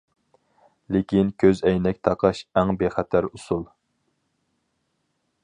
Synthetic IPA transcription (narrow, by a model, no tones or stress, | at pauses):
lɪkʲinkʲʰøzɛjnɛkʲt̪ʰɑqʰɑʃæŋbeχɛt̪ʰæɾusulˠ